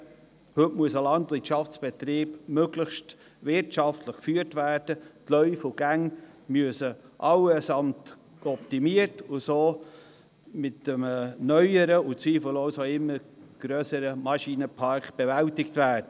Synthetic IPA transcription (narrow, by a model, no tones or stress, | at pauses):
hʏtmuəsəlɑntvɪt͡ʃɑft͡sb̥ɛtɾiːbmøɡləxʃt | vɪrtʃɑftʰləχkfyːɾtvæːrd̥ətlœʏfʊɡ̥æŋmyəsəʔɑwəsɑmt | ɔp̚timiərtʊsoː | mɪtəmnœʏəɾəʊt͡sʋiːfəlɔʊsoɪmːəɡ̥ɾœːsəɾəmɑʃiːnəpʰɑɾkb̥ɛvæltɪktvæːrd̥ə